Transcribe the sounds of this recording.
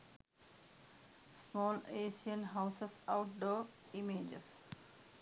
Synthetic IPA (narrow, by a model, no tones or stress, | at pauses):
smɔːleːsiə̃nɦaʊsesaʊʈ̚ɖoː | imeːd͡ʒḛs